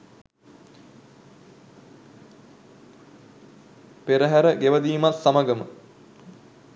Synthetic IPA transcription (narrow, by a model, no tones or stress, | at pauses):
peɾəɦæɾəɡeʋəd̪iːmat̪sːaməɡəmə̰